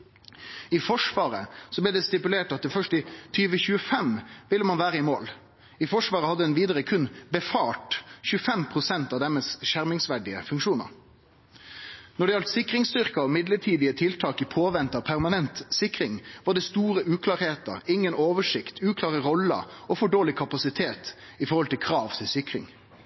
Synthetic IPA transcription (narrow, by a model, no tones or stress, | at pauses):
ɪfɔʂʋɑːɾə̰sɔblɛd̪ɛst̪ɪpʉleːʈɑt̪̚d̪ɛfœʂʈɪt̪ʰyːʋəçʉːəfɛmʋɪlːəmɑnʋæːɾəɪmoːl | ɪfɔʂʋɑːʁəhɑd̪ːəɛnʋiːd̪əɾəkʰʉnbəfɑːʈçʉːəfɛmpʰʁʊsɛnt̪ɑʋd̪ɛməsʃæʁmɪŋsʋæɖɪə̰fʉŋkʂuːnə̰ɾ | nɔɖɛjɑlt̪sɪkɾɪŋst̪ʏʁkɑɔmɪd̪ləʈʰiːd̪ɪət̪ʰɪlt̪ʰɑːkəpʰoːʋɛnt̪ɑpʰæʁmɑnɛnt̪sɪkɾɪŋʋɑʁɖ̪ɛst̪uːɾəʔʉːkʰlɑːʁheːt̪ə̰ɾɪŋːənoːʋəʂɪkt̪ʰʉːkʰlɑːʁəʁɔlə̰ɔfɔɖoːlɪkʰɑpɑsɪt̪ʰeːt̪ | ɪfɔɾʁhɔlt̪ʰɪlkʰɾɑːʋt̪ʰɪlsɪkɾɪ̰ŋ